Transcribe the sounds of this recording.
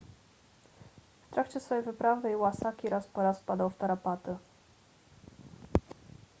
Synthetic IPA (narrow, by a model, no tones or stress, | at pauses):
ft̪ɾʔakt͡ɕɛsfɔjejvɘpɾavɘjwasakʲiɾaspɔɾaspad̪awft̪aɾapat̪ɘ